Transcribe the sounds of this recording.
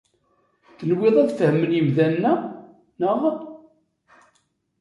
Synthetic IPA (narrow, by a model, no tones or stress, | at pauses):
θənwɪðˤæðfhəmːəljəwðænnːæ | nəʁ